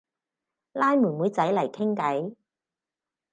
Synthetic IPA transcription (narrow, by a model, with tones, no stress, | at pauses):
laː˥jmuː˨˩nmuː˨˥jt͡sɐ˨˥jlɐ˨˩jkʰɪ˥ŋkɐ˨˥j